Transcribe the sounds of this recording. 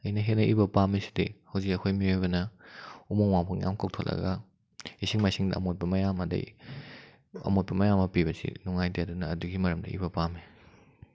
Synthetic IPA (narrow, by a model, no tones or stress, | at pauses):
ɐjnɐɦenɐʔibɐpamisi̥dihɐwzikɐkʰojmiojbɐnɐumoŋwaŋpʰɐŋja̰mkʰawk̚tʰolɐ̰ɡɐ | isiŋmajsiŋdɐ̰ɐ̰mot̚pɐmɐjamɐdɐ̰j | ɐ̰mot̚pɐmɐjamɐpiβɐsḭnuŋajtajadunɐːduɡimɐɾɐmdɐ̰ḭbɐpame